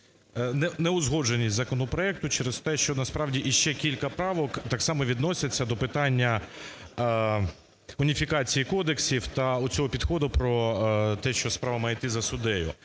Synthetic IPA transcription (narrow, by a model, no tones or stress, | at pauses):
nɛnɛʊzɦɔʒenʲːisʲzɐkɔnɔpɾɔɛk̚t̪ʊt͡ʃɛɾɛst̪ɛʃt͡ʃɔnɐspɾɑwdʲiʔiʃt͡ʃɛkʲilʲkɐpɾɑʋɔkt̪ɑksɑmɔʋʲid̪nɔsʲɐt͡sʲːɐd̪ɔpɪt̪ɑnʲːɐ | ʊnʲifʲikɑt͡sʲijikɔd̪e̞ksʲiwt̪ɐʊt͡sʲɔɦɔpʲid̪xɔd̪ʊpɾɔt̪ɛʃt͡ʃɔspɾɑʋɐmɑjet̪ɪzɐsʊd̪ɛjʊ̰